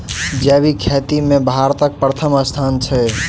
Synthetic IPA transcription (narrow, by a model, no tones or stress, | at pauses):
d͡ʒɛbikʰet̪imẽbʱaɾt̪ək̚pɾət̪ʰəməst̪ʰant͡ʃʰɛ